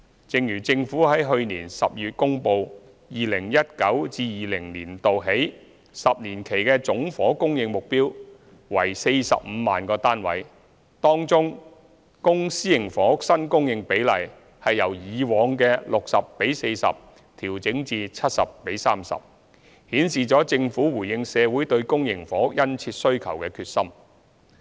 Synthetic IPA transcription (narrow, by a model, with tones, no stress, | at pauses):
t͡sɪ˨˧ŋjyː˨˩t͡sɪ˧ŋfuː˨˥ɦɐ˨˥jɦɵ˧ɥniː˨˩nsɐ̰˨p̚jyː˨t̚kʊ˥ŋpo˧w | jiː˨lɪ˨˩ŋjɐ˥t̚kɐ˨˥wt͡siː˧jiː˨lɪ˨˩ŋliː˨˩nt̪o˨wɦe˨˥j | sɐ˨p̚niː˨˩nkʰe˨˩jkɛː˧t͡sʊ˨˥ŋfɔː˨˥kʊ˥ŋjɪ˧ŋmʊ˨k̚piː˥w | wɐ̰˨˩jse˧jsɐ̰˨p̚m̩˨˧ma̰ː˨nkɔː˧t̪aː˥nwɐ̰˨˥j | t̪ɔː˥ŋt͡sʊ˥ŋ | kʊ˥ŋsiː˥jɪ˨˩ŋfɔː˨˥k̚sɐ˥nkʊ˥ŋjɪ˨ŋpe˨˥jlɐ̰˨˩j | hɐ˨jːɐ˨˩wjiː˨˧wɔː˨˧ŋkɛː˧lʊ˨k̚sɐ˨pːe˨˥jse˧jsɐ̰˨p̚ | t̪ʰiː˨˩wt͡sɪ˨˥ŋt͡siː˧t͡sʰɐ˥t̚sɐ̰˨pːe˨˥jsaː˥msɐ̰˨˩p̚ | hiː˨˥nsiː˨t͡ʃɔː˨˥t͡sɪ˧ŋfuː˨˥wuː˨˩jɪ˧ŋsɛː˨˧wuː˨˥jt̪ɵ˧ɥkʊ˥ŋjɪ˨˩ŋfɔː˨˥kjɐ˥nt͡sʰiː˧t̚sɵ˥ɥkʰɐ˨˩wkɛː˧kʰyː˧t̚sɐ˥m